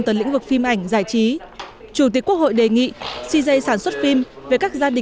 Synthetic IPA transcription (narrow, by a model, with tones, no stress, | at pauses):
nt̪ə˨˩lḭ˧˥ŋvɨ˨˩k̚fi˧mʔa˧˩jŋ̟zaː˧˩jt͡ɕi˨˦t͡ɕu˧˩t̪i˨˩əkːu˦˥ək̚ho̰˧˨jɗe˨˩ŋḭ˧˨si˧zə˧jsaː˧˩nswə˦˥t̚fi˧mve˨˩kaː˦˥k̚zaː˧ɗï˨